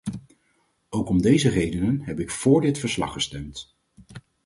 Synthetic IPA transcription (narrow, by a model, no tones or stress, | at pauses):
owkɔmdejzərejdənənɦɛpɪkfʊːɹdɪtfəɹslɑ̰χəstɛmt